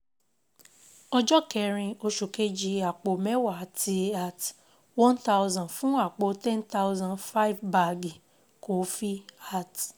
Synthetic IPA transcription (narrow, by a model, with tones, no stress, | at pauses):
ɔ˧˦d͡ʒɔ˦kɛ˦˧ɾĩ˧o˧ʃu˨ke˦d͡ʒi˧a˨k͡po˨mɛ˦wa˨a˨ti˧a˦˨t | wɔ̃˦nta˦wzã˨fũ˦a˦˨k͡po˧˦tɛ̃˦nta˦ʊ˦zã˨nfa˦i˦vba˨ɡi˨ | ko˨˦fi˦a˦˨t